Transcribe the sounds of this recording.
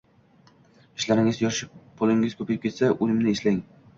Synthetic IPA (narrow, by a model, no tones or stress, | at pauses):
ɪʃlaɾɪŋɪzjɒʃɪpʰʊlˠɪŋɪz̥kʰɵpʰajɪp̚kʰʲe̞t̪saʔʊlɪmnɪeslaɪŋ